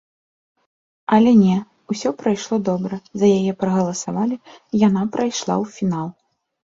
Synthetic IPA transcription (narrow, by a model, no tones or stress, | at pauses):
ɐlʲɛnʲɛ | usʲɔpɾajʂlˠɔd̪ɔbɾɐzɐjajɛpɾɐɣɐlˠɐsavalʲijanapɾʔajʂlˠa̰wfʲinalˠ